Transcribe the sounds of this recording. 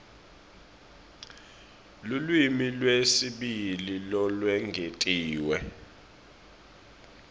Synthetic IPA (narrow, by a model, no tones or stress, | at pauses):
lulwimilwesiɓililɔlwɛŋɡʱetʼiːwɛ